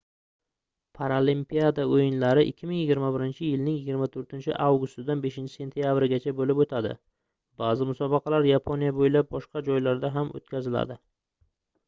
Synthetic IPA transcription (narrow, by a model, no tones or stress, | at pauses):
pʰaɾalimpijad̪aojɪnlaɾɪʔɪ̰kʲʰːɪmɪŋjɪɡʲɪɾmabɪɾɪnt͡ʃʰɪjɪlnɪŋjɪɡʲɪɾmat̪ʰɵɾt̪ʰɪnt͡ʃʰɪ̰ʔawɡʊst̪ɪd̪anbe̞ʃɪnt͡ʃʰɪ̥se̞nt̪ʰijabɾɪɡʲat͡ʃʰabolɪpot̪ʰad̪ɪ̰ | bazɪmʊsɒbɑqʰɑlaɾjapʰonijabojlap̚bɒʃqɑd͡ʒɒjlaɾd̪aɦamo̰t̪kʲʰazɪla̰d̪ɪ